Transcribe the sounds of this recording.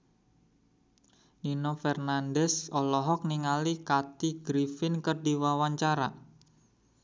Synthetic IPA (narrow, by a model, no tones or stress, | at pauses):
ninofɛrnandɛsɔlɔɦɔk̚niŋalikat̪iɡɾifɪnkərdiwawaɲt͡ʃaɾa̰